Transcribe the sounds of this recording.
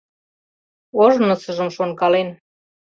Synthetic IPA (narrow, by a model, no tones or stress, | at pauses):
oʒnɤ̆sə̆ʒə̆mʃonkɑlen